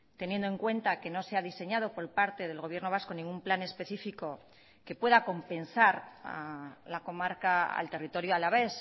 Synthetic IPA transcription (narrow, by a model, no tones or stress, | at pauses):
t̪e̞nje̞nd̪oe̞ŋkwe̞nt̪ake̞no̞seaðise̞ɲað̞o̞po̞ɾpaɾt̪e̞ðe̞lɣ̞o̞β̞je̞ɾno̞β̞asko̞nĩŋɡumplane̞spe̞θifiko̞ | ke̞pwe̞ðako̞mpe̞nsaɾalako̞maɾkaa̰lt̪e̞rit̪o̞ɾjoalaβe̞s